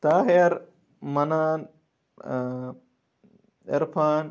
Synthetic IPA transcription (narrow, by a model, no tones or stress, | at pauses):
t̪aːɦeɐɾ | mɐnaːn | eɾpʰaːn